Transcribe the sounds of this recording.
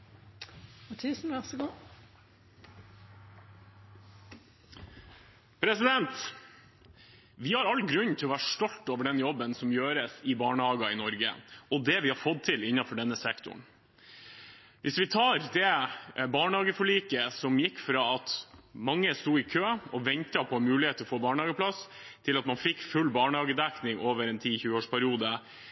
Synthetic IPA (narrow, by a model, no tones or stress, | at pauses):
mɑt̪ʰiːsn̩ʋɛʁsəɡuː | pʰɾɛsɪd̪ɛnt̪ | ʋɪhɑɾɑlːɡɾʉnːt̪ʰɪlɔʋæːɾəʂʈɔlt̪oːʋəɖɛnjɔbːənsɔmjøːɾəsɪbɑːɳəɑːɡɑɪnɔɾɡə̰ɔd̪ɛʋɪhɑɾfɔd̪̚t̪ʰɪlɪnːɑfɔɖɛnːəsɛkt̪ʰʊ̰ɳ | ʋʔɪsʋɪt̪ʰɑːɾd̪ɛbɑːɳəhɑːɡəfɔɭiːkəsɔmjɪkːfɾɑːɑt̪mɑŋːəst̪uːɪkʰøːɔʋɛnt̪ɑpʰɔmʉːlɪheːt̪əɔfoːbɑːɳəɑːɡəpʰlɑs | t̪ʰɪlɑt̪mɑnfɪkːfʉlːbɑːɳəhɑːɡəd̪æknɪŋoːʋəɾɛnt̪ʰiːçʉːəoːʂpʰæɾɪuːd̪ə